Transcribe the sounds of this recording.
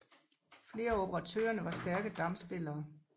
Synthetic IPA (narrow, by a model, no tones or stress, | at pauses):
fle̝ːɐo̝b̥ʰəʁɑ̈t͡sʰø̰ːɐnəʋɑ̈sd̥æɐɡ̥əd̥ɑ̈msb̥e̝lɐː